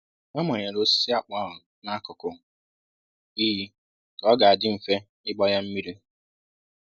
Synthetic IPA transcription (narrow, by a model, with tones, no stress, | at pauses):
ɔ˦mɔ˨ɲe˨ɾo˦si˦a˨k͡pa˦˨ɦʊ˨ | na˦kʊ˨kʊ˨ | i˦ɦi˦ | kɔ˦ɡa˨a˨dɪ˦m̩˨fe˦ | ɪ˦ɡ͡bɔ˦ja˦m̩˦mi˦ɾi˦